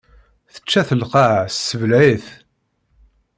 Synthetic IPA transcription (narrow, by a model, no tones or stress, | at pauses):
θə̥t͡ʃːæθəlqɑʕsːəvlʕiθ